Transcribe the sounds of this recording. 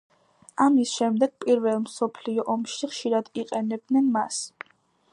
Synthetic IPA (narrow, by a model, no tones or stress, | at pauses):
amisʃɛmd̪ɛɡ̥̚pʼiɾvɛlˠmsɔpʰliɔʔɔmʃiχʃiɾad̪̥iqʼɛnɛb̚d̪nɛnmas